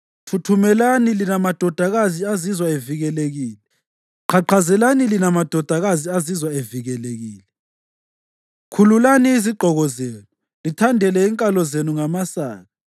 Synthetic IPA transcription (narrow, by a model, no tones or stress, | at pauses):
tʰutʰumɛlanilinamad̥ʱɔd̥ʱaɣaziazizwaeviɣɛleɣiːlɛ | ǃʰaǃazɛlanilinamad̥ʱɔd̥ʱaɣaziazizwaeviɣɛleɣiːlɛ | kʰululaniiziɡ͡ǃʱɔɣɔzeːnu | litʰandʱɛlɛːŋkʼalɔzenuŋamasaːɣa